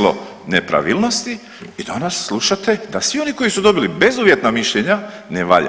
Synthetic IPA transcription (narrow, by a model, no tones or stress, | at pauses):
lo̰ | nepɾa̰ʋilˠno̞st̪i | id̪anasːlˠuʃat̪e̞d̪asʋio̞niko̞jisud̪o̞bilibe̞zuʋje̞t̪namiʃʎeɲa | neʋa̰ʎa̰